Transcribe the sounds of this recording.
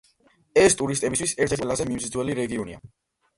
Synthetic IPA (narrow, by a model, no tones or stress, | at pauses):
ɛst̪ʼuɾist̪ʼɛbist̪ʰwisɛɾt̪ʰɛt̪ʼwɛlazɛmimzd̪zwɛliɾɛɡiɔnḭa̰